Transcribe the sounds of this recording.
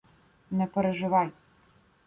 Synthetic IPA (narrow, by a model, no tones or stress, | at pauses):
nɛpeɾeʒɪʋɑjʲ